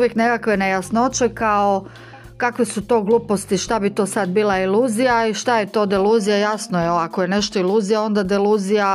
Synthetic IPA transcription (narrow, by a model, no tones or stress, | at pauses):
uʋjekne̞kakʋenejasnot͡ʃekao | kakʋesut̪o̞ːɡlˠuːpost̪iʃt̪abit̪o̞ːsad̪biːlˠailˠuːzijaiʃt̪aje̞t̪o̞ːd̪ilˠuːzijajasnojeakoje̞ne̞ʃt̪o̞ilˠuːzijao̞nd̪ad̪ilˠuːzija